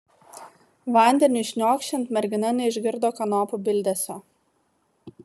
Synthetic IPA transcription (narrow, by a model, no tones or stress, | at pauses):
ʋɐˑnʲd̪ʲɛnʲʊʃʲnʲoːkʃʲt͡ʃʲɛnt̪mʲɛɾʲɡʲɪnɐnʲɛɪʒʲɡʲɪɾd̪oːkɐnɔːpʊbʲɪlʲd̪ʲeːsʲɛ